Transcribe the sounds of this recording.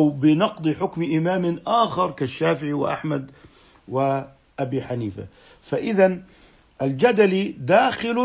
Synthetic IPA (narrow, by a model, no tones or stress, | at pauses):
wbɪnɑqd̪ˤɨħʊkmʔɪmaːmʔaːxɑɾˤkaʃːaːfɪʕiwɪ̰ʔa̰ħmad̪ | wɪ | ʔabiːħaniːfa̰ | faʔɪðan | ʔald͡ʒad̪alid̪aːxɪl